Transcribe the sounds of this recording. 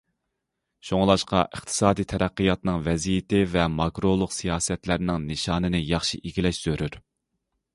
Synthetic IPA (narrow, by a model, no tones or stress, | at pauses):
ʃoŋlˠɑʃqɑ̰ʔəχt̪ʰɨ̥sɑːd̪ijt̪ʰɛɾæqːɨjɑt̪nɨŋvɛzijɪt̪ɪvɛmɑkɾolˠʊqsijɑːsɛt̪læɾnɪŋnɨʃɑːnɨnɪjɑχʃḭʔiɡʲilɛʃz̥øɾyɾ